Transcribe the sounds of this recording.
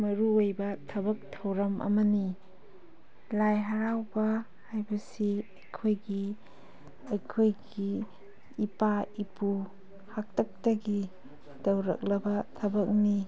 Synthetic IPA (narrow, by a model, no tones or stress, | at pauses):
mɐɾuojbɐtʰɐbɐk̚tʰɐwɾɐmʔɐ̰mɐni | lajɦaɾawbɐ | hajbɐsiɐjkʰojɡi | ɐjkʰojɡiː | paipu | hak̚tʰɐk̚tɐɡi | dɐwɾɐ̰k̚lɐbɐtʰɐbɐk̚ni